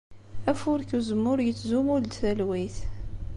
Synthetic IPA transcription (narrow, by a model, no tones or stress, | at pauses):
æfʊɾkuzəmːʊɾjət͡sːzumʊld̪θælwiθ